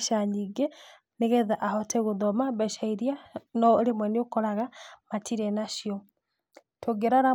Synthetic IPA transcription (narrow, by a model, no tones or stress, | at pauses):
ʃaɲiɡe | neɣɛðaʔahɔtɛɣoðɔmaβɛʃaiɾjanɔoɾemwɛneokɔɾaɣamatʰiɾɛnaʃiɔ | tʰoɡeɾaɾa